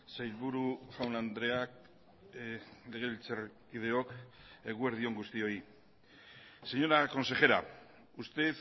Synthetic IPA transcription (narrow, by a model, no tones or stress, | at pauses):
sajlβuɾuʝawnand̪ɾe̞ak | le̞ɣelt͡serkið̞e̞o̞ke̞ɣ̞ue̞ɾðio̞ŋɡust̪io̞i | se̞ɲo̞ɾako̞nse̞xe̞ɾa̰ | ust̪e̞t